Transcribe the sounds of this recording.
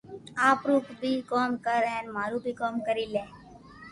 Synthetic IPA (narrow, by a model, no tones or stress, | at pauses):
aːpɾuːkbʱiːkoːmkəɾẽːnmaːɾũːbʱiːkoːmkəɾiːlẽː